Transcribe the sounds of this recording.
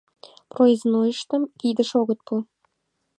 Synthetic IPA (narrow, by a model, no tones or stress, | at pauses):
proiznojɤ̆ʃt̪ɤ̆mkʲid̪ə̆ʃoɣɤ̆t̪̚pul